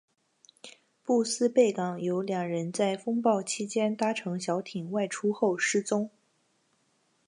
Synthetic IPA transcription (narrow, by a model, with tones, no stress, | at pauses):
pu˥˩sɹ̩˥pe˥˩ɪkɑ˨˩ŋjo˧˥ʊljɑ˨˩ŋɻə˧˥nt͡sa˥˩ɪfɤ˥ŋpɑ˥˩ʊt͡ɕʰi˥t͡ɕjɛ˥nt̪a˥ʈ͡ʂʰɤ˧˥ŋɕjɑ˧˥ʊt̪ʰi˨˩nwa˥˩ɪʈ͡ʂʰu˥xo˥˩ʊʂɻ̩˥˩t͡sʊ˥ŋ